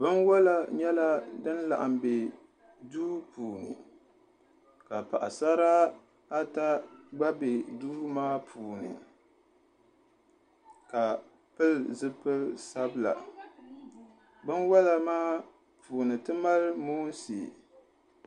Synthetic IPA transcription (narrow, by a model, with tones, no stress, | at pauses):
bɨ˦nwa˦la˦ɲɛ˦la˦dɨ˦nla̰˨ʔa̰˨mbe˨ | duː˦puː˨nɨ̰˨ | ka˨pa̰˨ʔa˨sa˦ɾa˦ | a˦ta˦ɡ͡ba˦be˨duː˦maː˦pʰuː˨nɨ̰˨ | ka˨ | pɨ˦lzɨ˦pɨ˦lsa˦bɨ˦la̰˨ | bɨ˦nwa˦la˨maː˦ | pʰuː˨nɨ˨tɨ˦ma˦lmoː˦n˦sḭ˨